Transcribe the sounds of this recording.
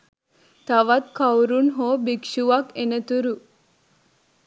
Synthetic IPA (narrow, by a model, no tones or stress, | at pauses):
t̪aʋat̪kawɾunɦoːbikʃuʋakenət̪uɾu